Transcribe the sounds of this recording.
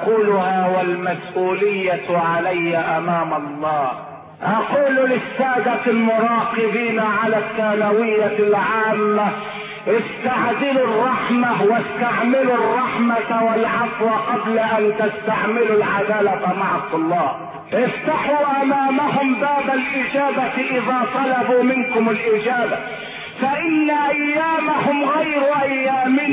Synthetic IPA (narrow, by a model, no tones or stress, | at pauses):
quːlʊhaːwalmasʔuːlɪjːaʕalajːaʔamaːmɑlˤːɑːh | ʔɑquːllɪsːaːd̪almʊɾˤɑːqɨbiːnaʕalasːaːnawɪjːalʕaːmːa | ʔɪst̪aʕd̪ɪlurˤːɑħmawast̪aʕmɪlurˤːɑħmawalʕɑfwaqɑblaʔant̪ast̪aʕmɪlulʕad̪aːlamaʕɑt̪ˤːɑlːɑː | ʔɪft̪aħuːʔamaːmahʊmbaːbalʔɪd͡ʒaːbaʔɪðaːt̪ˤɑlɑbuːmɪnkʊmalʔɪd͡ʒaːba | faʔɪnːaʔajːaːmahʊmɣajɾʊʔajːaːmɪn